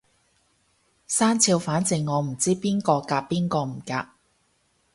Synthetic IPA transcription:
saː˥nt͡sʰiː˧wfaː˨˥nt͡sɪ˨ŋːɔː˨˧m̩˨˩t͡siː˥piː˥nkɔː˧kaː˧p̚pːiː˥nkɔː˧m̩˨˩kaː˧p̚

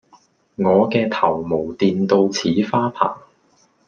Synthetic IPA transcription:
ŋɔː˨˧kɛː˧t̪ʰɐ˨˩wmo˨˩wt̪iː˧nt̪o˧wt͡sʰiː˨˥faː˥pʰa̰ː˨˩ŋ

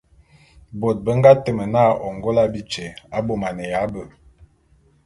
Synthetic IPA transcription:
bo˨t̚bə˦ŋ˦ɡa˦tə˨mə˨na˦˨ɔ˨ŋɡo˦la˦bi˦t͡ʃe˨a˦bo˨ma˨nə˨ja˨˦bə˨

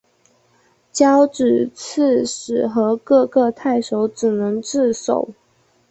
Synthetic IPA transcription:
t͡ɕjɑ˥ʊʈ͡ʂɻ̩˨˩t͡s̩ʰ˥˩ʂɻ̩˨˩xɤ˧˥kɤ˥˧kɤ˥˧t̪ʰa˥˩ɪʂo˧˥˦ʊʈ͡ʂɻ̩˨˩nɤ˧˥ŋʈ͡ʂɻ̩˥˩so̰˨˩˦ʊ

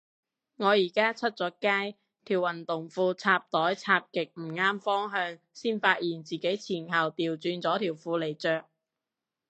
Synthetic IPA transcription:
ŋɔː˨˧jiː˨˩kaː˥t͡sʰɵ˥t̚t͡sɔː˨˥kaː˥j | t̪ʰiː˨˩wɐ˨˩nt̪ʊ˨˩ŋfuː˧t͡sʰaː˧p̚t̪ɔː˨˥jt͡sʰaː˧p̚kɪ˨k̚m̩˨˩ŋaː˥mfɔː˥ŋɦœː˧ŋ | siː˥nfaː˧t̚jiː˨˩nt͡siː˨ke˨˥jt͡sʰiː˨˩nhɐ˨wt̪iː˨wt͡syː˧nt͡sɔː˨˥t̪ʰiː˨˩wfuː˨˧le˨˩jt͡ʃœː˨k̚

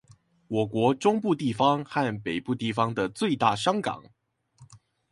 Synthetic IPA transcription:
wɔ˨˩kwɔ˧˥ʈ͡ʂʊ˥ŋpu˥˧t̪i˥˩fɑ˦ŋxa˥˩npe˨˩ɪpu˥˧t̪i˥˩fɑ˥ŋd̪ə˨t͡swe˥˧ɪt̪a˥˩ʂɑ˥ŋkɑ̰˨˩˦ŋ

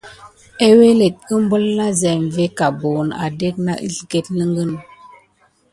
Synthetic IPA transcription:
e˦we˦le˨t̚ə˦m˦bə˦lna˦zɛ˨m˨ve˦ka˨bo˨na̰˨de˦k̚na̰˦ʔḭ˦ɬɡe˦t̚lə˦ŋɡə˦n

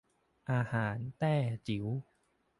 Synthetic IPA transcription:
ʔaː˧haː˩˦nt̪ɛː˥˩t͡ɕi˩˦w

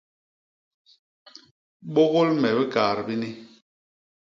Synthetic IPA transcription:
ɓo˦ɣo˦lmɛ˨bi˦ka˨ɾbi˦ni˦

